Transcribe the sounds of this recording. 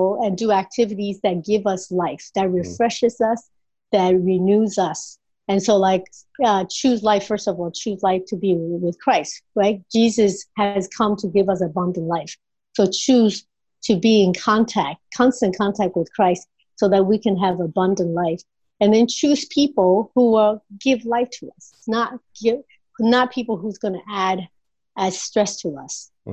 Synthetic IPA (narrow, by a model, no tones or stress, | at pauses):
ɨ̃ndɨæk̚tʰɪvɨɾizðɨt̚ɡ̥ɪvʌslaɪfðɨt̚ɹɨfɹɛʃɨzʌs | ðɨt̚ɹinʉzʌs | ɨ̃nsoʊlaɪk | ʌt͡ʃʰʉzlaɪfɜ˞stʌvɔlˠt͡ʃʰʉzlaɪftʰɨbiwɪð̥kʰɹ̥aɪst̚ɹaɪt̚d̥ʒ̥izɨshɨz̥kʰʌ̃mtʰɨɡɪvʌs̬əbʌ̃ndɨ̃n̩ʔlaɪf | soʊt͡ʃʰʉz̥ | tʰɨbiɪ̃nkʰɑ̃ntʰæk̚t̚kʰɑ̃nstɨ̃nkʰɑ̃ntʰæk̚t̚wɨð̥kʰɹ̥aɪst | soʊðɨt̚wikʰɨ̃nɨvəbʌ̃ndɨ̃nʔlaɪf | ɨ̃nðɨ̃nt͡ʃʰʉz̥pʰipl̩ˠhuə˞ɡɪvlaɪftʰəʌs | nət̚ɡ̥ɪ | nət̚pʰipl̩ˠɦuzɡʌnɨʔæɾ | ɨz̥stɹ̥ɛstʰəʌ̰s